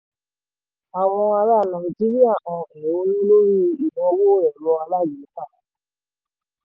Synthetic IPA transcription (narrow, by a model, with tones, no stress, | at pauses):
a˨w̃ɔ̃˧a˧ɾa˧˦˨nã˨i˨d͡ʒi˦ɾi˦a˦˨ʔɔ̃˨ɛ˨o˧˦nĩ˦lo˦ɾi˦˧i˨nɔ̃˨˦wo˦˨ɾɛ˨ɾɔ˧a˧la˦˨d͡ʒi˨˦k͡pa˦˨